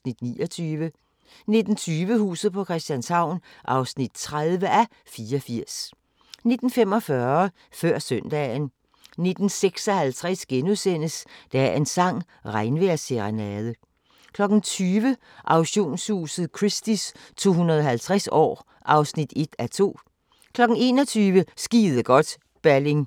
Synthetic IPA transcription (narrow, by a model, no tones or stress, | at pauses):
nid̥nḭːɒt͡sʰyːʋə | ne̝d̥n̩t͡sʰyːʋəhṵːsð̩ˠpʰɒ̽kʰʁɛsd̥jænshɑ̈ʊ̰nʔɑ̈ʊsnid̥̚t͡sʰʁaðˠʋəʔæ | fiːɐɒfiɐ̰s | ne̝d̥n̩femɒ̽fɶɐɐ | fɶɐ̰sœnd̥ɛ̰n | ne̝d̥n̩seɡ̥sɒ̽hælt͡sʰʁɛsɡ̥enusen̰əsd̥ææɐɐe̝nsɑ̈ŋ̰ | ʁɑ̈ɪnʋeɐseʁanæðˠə | kʰlɒ̽ɡ̥n̩t͡sʰyːʋə | ʔɑ̈ʊɕo̝̰ːnshṵːsð̩ˠkʰʁisd̥ist͡sʰo̝̰ːɦunɐðˠɒ̽ɦælt͡sʰʁasɒ̰ː | ʔɑ̈ʊsnid̥e̝d̥æt͡sʰo̝̰ː | kʰlɒ̽ɡ̥n̩e̝ːnɒ̽t͡sʰyːʋəsɡ̥ḭːð̩ˠəɡ̥ɒ̽d̥ | b̥æle̝ŋ